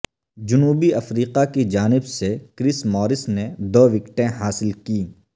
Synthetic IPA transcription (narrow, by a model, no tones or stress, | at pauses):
d͡ʒʊnuːbiɐfɾiːqakid͡ʒaːnɪbsekɾɪsmɔːɾɪsned̪oːʋɪkʈẽɦaːsɪlkiː